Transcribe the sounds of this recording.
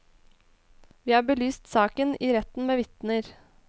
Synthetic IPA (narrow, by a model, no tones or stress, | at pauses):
ʋiːhɑːɾbəlyːst̪sɑːkəniːɾɛt̪n̩meːʋɪt̪nəɾ